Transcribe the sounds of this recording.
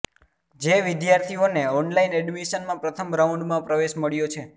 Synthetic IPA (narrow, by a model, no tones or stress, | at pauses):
d͡ʒeʋɪd̪jaɾt̪ʰioneɔnlaineɖʋiʃənmãpɾət̪ʰəmɾauɳɖmãpɾəʋeʃməɭjot͡ʃʰe